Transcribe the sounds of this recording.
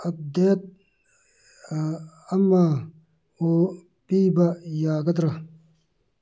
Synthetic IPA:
ɐb̚d̪eːt̪̚ | ɐmːaː | o | piːbɐjaːɡɐt̪ɾɐ

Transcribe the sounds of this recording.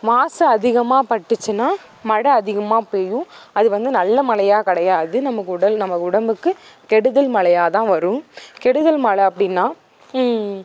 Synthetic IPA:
ʋaːsɐɐðɪɣɐmaːpɐʈːɯt͡ʃːɯnaː | mɐɽɐɐðɪɣɐmaːpeːjũɐðɯʋɐnd̪ɯnɐlːɐmɐlɐjaːkɐɽɐjaːðɯnɐmɐkːɯʊɽɐlnɐmɐkːʊɽɐmbɯkːɯ | kɛɽɯðɐlmɐɭɐjaːt̪ãːʋɐɾɯ̃kɛɽɯðɐlmɐɭɐɐpːɐɽɪnːaː

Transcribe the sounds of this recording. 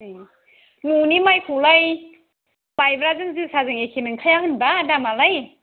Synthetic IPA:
ɯj | nunimajpʰulaj | bajbɾazɯŋzɯsazɯŋekʰenɯŋkʰajaŋɯnbadamalaj

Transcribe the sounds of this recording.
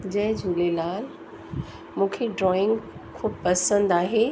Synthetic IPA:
d͡ʑɐ̃ɦɪ̃d͡ʑʱuːlelaːl | mũːkʰeɖɾɔːɪ̃ŋɡ | kʰuːbpɐsə̃nd̪aːɦe

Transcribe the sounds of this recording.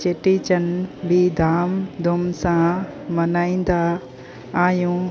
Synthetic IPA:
t͡ɕeːʈit͡ɕənbid̪ʱaːmd̪ʱʊmsã | mɐnaːĩːn̆d̪a | aːɦjũː

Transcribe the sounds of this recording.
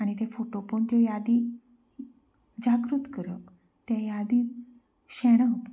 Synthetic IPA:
aɽ̃it̪efoʈopəɳt̪jojad̪i | d͡ʑaɡɾut̪kəɾək | t̪jajad̪iː | ɕɛɽ̃əp

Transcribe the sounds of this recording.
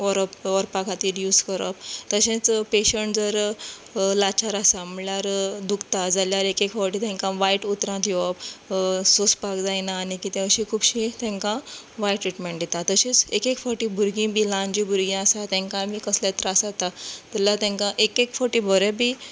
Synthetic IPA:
ʋɔɾəpʋɔɾpakʰat̪iːɾjuːskəɾəpt̪əɕẽt͡speɕəɳʈd͡zəɾ | lat͡ɕaɾasaməljaɾd̪ukt̪ad͡zaljaɾekekfɔɾʈit̪ɛ̃ŋkãʋajʈut̪ɾãt̪jɔpsospakd͡zajnaːnikit̪ẽɕikʰuːbɕit̪ɛ̃ŋkãʋajʈːɾiʈmẽɳʈjet̪at̪əɕĩt͡sekekfɔɾʈĩbʱuɾɡĩbʱilãɲd͡ʑibʱuɾɡĩasat̪ɛ̃ŋkãmiːkəslaet̪ɾasat̪at̪ɛlat̪ɛ̃ŋkãʔekekfɔɾʈibʱəɾebʱiː

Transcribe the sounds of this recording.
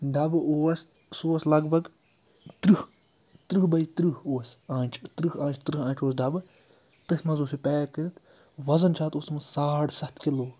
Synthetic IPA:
ɖɐbɨoːs | soːslɐɡbʱɐɡ | t̪ɾɨh | t̪ɾɨɦbɐit̪ɾiɦoːsãːnʲt͡ʃʰt̪ɾɨɦãːt͡ʃʰt̪ɾɨɦãːnt͡ʃʰoːsɖɐbɨ | t̪ɨsʲmɐzoːsipʲɛːkɨɨt̪ | ʋɐzɐnt͡ʃʰaːt̪oːsmɐsaːʈsɐt̪ʰkiloː

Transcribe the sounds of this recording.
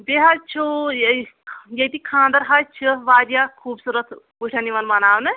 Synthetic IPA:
d̪eɦat͡ʃʰu | jet̪ikʰãːnd̪əɾɦat͡ʃʰiʋaːd̪jakʰuːbsuɾət̪ʰ | uʈʰaniʋɐnmɐnaːwnɐ

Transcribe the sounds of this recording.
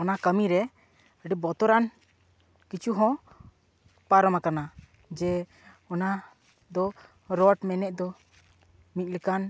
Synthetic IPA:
ɔnakəmiɾɛ | əɖibɔt̪ɔɾan | kit͡ʃuɦɔ̃ | paɾɔmakana | d͡ʒɛ | ɔna | d̪ɔ | ɾɔʈmɛnɛʔ̚d̪ɔ | mit̪̚ˀlɛkan

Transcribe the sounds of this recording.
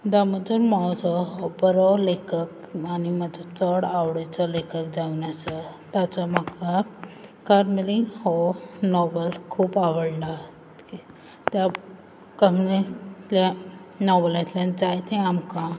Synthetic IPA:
d̪aməd͡zənmawd͡zɔɦɔbəɾɔlekək | animəd͡zat͡səɽawɽet͡salekək̚d͡zaunasat̪at͡sɔməkakaɾmiliŋɦɔnɔbəlkʰuːpaʋəɽlaɦtt̪ki | t̪ja | kəmlet̪ljanɔbəlat̪ljãnd͡zajt̪ẽamkã

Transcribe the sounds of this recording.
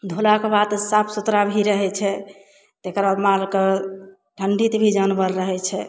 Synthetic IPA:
d̪ʱolakebad̪sapʰsut̪ɾabʱiɾəɦɛt͡ʃʰɛ | t̪ekɾamalke | ʈʰəɳɖit̪bʱid͡ʒənbəɾːəɦɛt͡ʃʰɛ

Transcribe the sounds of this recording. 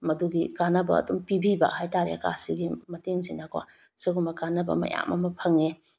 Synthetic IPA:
mɐduɡikanɐbɐ̰ːdumpibiba̰ʔhajtaɾḛka̰siɡimɐteŋzinakwa̰ | suɡumɐkanɐbɐ̰mɐ̰ja̰mɐ̰mɐpʰɐŋe

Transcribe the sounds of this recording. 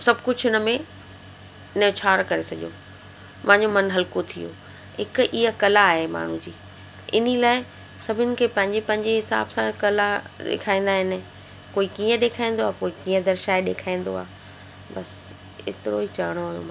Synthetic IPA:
sɐbʱkʊd͡ʑʱɪnə̆mẽ | ɪnet͡ɕʰaːɾkɐɾesɐɠjo̰ː | mãːɲd͡ʑomɐnɦɐlkot̪ʰijo̰ː | ɦɪkʔiːɦəkɐlaːɦema̰ːɳ̤ũd͡ʑiː | ɪ̰nilaːɪ | sɐbʱɪnɪ̆kʰeːpɐ̃ɦɪ̃ɲd͡ʑepɐ̃ɦɪ̃ɲd͡ʑeɦɪsa̰ːbsãkɐlaɗɪ̰kʰaːĩːnd̪aːɦɪnɪ̆ | koːikiːə̃ɗeːkʰaːĩnd̪oaːkoːikiːə̃d̪ɐɾʃaːeɗeːkʰaːĩːn̆d̪o̰a̰ː | bɐs | ɪ̰t̪ɪɾo̰ɦit͡ɕɐɦəɽ̃oaːjõ̰mã

